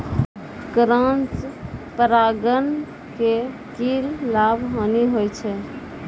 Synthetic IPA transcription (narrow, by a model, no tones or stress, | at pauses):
kɾãnt͡ʃpəɾaɡən | ke | kilːabʱɦəniɦojt͡ʃʰɛ